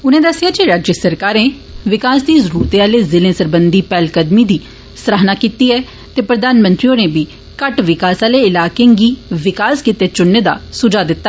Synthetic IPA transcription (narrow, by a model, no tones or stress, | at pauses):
ʊnẽːd̪əsːɪjaːd͡ʒeɾaːd͡ʒjəsəɾkaːɾẽː | ʋɪkaːsd̪iːzəɾuːɾt̪eaːleːzɪlẽːsəɾbənd̪iːpɛːlkəd̪miːd̪iː | səɾaɦnaːkiːt̪iːɛː | t̪eːpɾəd̪aːnmə̃nt̪ɾiõːneːbiː | kəʈʋɪkaːsaːleːɪlaːkẽːɡiːʋɪkaːskit̪eːt͡ʃʊnːeːd̪a̰ːsʊd͡ʒaːd̪ɪt̪ːa